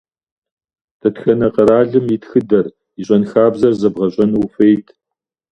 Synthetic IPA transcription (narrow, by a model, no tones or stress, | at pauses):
d̥ʰɐtxɐnɐqəɾaːɮɨmjɪtxɨdɐr | iɕʼɐnxaːbzɐrzɐbʁɐɕʼɐnuːfejtʰ